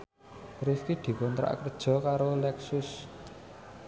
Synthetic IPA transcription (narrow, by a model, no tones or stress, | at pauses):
riskid̪̥i̤kɔnt̪ɾa̰ʔkərd̥ʒ̥ɔ̤kaɾolɛksʊs